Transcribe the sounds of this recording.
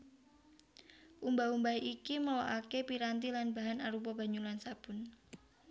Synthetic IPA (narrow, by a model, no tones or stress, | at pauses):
ʔumbaumbaiʔikiməloʔakepiɾant̪ilanbaɦanaɾupəb̥aɲulansab̥ʊ̤n